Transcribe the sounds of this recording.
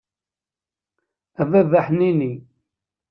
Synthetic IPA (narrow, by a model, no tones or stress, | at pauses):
ævævaħnini